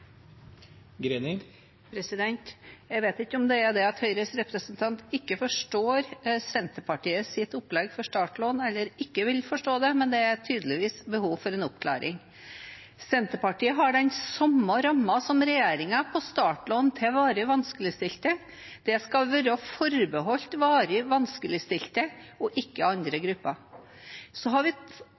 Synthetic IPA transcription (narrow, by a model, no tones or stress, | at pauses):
ɡɾenɪ | pʰɾɛsɪd̪ɛnt̪jæɡʋeːt̪ɪkːəɔmd̪ɛæɾd̪ɛɑt̪hœʏɾəsɾɛpɾəsənt̪ʰɑnt̪ɪkːəfɔʂʈoːɾsɛnt̪əpɑʈiːəsɪt̪ʊplɛɡfɔʂt̪ɑːʈloːnɛlːəɾɪkːəʋɪlfɔʂʈoːd̪ɛmɛnd̪ɛæɾt̪ʰyːd̪əlɪʋiːsbəhuːʋfɔɾɛnɔp̚kʰlæ̰ːɾʔɪ̰ŋ | sɛnt̪əɾpɑʈiːəɦɑɖɛnsɔmːɑɾɑmːɑsɔmɾɛjeːɾɪŋɑpʰɔst̪ɑːʈloːnt̪ʰɪʋɑːɾəʋɑnskəlɪst̪ɪlt̪ə | d̪̥ɛskɑʋɛɾɑfɔɾbəɦɔlt̪ʋɑːɾəʋɑnskəlɪst̪ɪlt̪əɔʔɪkːəɑnd̪ɾəɡɾʉpːɑ | sɔɦɑɾʋɪ